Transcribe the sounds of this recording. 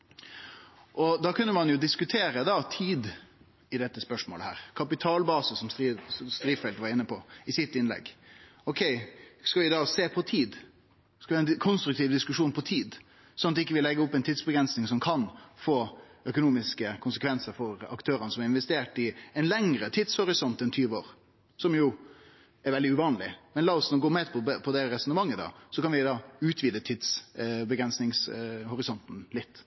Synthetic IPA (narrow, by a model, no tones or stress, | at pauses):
ʔɔd̪ɑkʰʉnːəmɑnjʊd̪ɪskʉt̪ʰeːɾəd̪ɑt̪ʰiːd̪ | ɪd̪ɛt̪ːəspœʂmo̰ːləhæ̰ːɾkʰɑpɪt̪ʰɑːlbɑːsəsɔmst̪ɾiːfɛlt̪ʋɑɾɪnːəpɔɪsɪt̪ːɪnlɛ̰ɡ | ɔkʰɛɪskɑʋɪd̪ɑːseːpʰɔt̪ʰiːd̪ | skɑʋɪhɑɛnkʰɔnst̪ɾʉk̚t̪ʰiːʋd̪ɪskʉʂuːnpʰɔt̪ʰiːd̪ | sɔnɑt̪ɪkːəʋɪlɛɡːəɔpːɛɪnt̪ʰiːd̪sbəɡɾɛnsnɪŋsɔmkʰɑnfoːœkʊnuːmɪskəkʰʊnsəkʰʋɛnsəɾfɔɾɑ̰kt̪ʰøːɾənəsɔmɑɾɪnʋɛst̪eːʈɪɛɪnlɛŋɾət̪ʰɪd̪shɔɾɪsɔnt̪ɛnt̪ʰyːʋəoːɾ | sɔmjʊ | ɛɾʋɛld̪ɪʉʋɑːnlɪ̰mɛnlɑːɔsnɔɡoːmɛːd̪pʰɔpʰɔd̪ɛɾɛsɔnəmɑŋːəd̪ɑ̰ːsɔkɑnʋɪd̪ɑːʉːt̪ʰʋiːd̪ət̪ʰɪd̪sbəɡɾɛnsnɪŋshɔɾɪsɔnt̪n̩lɪt̪ː